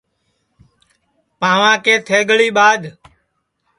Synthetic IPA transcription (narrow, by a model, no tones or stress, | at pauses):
pãːʋãːkeːt̪ʰeːɡəɭiːɓaːd̪